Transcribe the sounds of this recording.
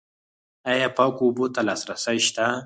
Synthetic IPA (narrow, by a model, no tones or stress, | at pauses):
ajapɑkubot̪alɑsɾasajʃt̪a